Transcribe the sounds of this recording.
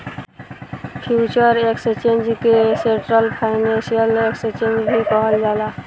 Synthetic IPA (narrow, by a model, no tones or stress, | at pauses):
pʰjut͡ʃɔɾekst͡ʃend͡ʒkeseɳʈɾəlpʰaɪnẽnsijəlekst͡ʃẽnd͡ʒbʱikɔɦɔld͡ʒala